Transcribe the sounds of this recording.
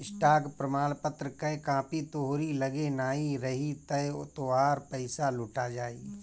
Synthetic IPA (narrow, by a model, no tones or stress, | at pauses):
ɪsʈaːɡpɾəmaːlpət̪ɾəkɐekãːpit̪oɦoɾiləɡenaːiɾɐɦit̪əot̪oaːɾpəɪsalʊʈad͡ʒaːḭː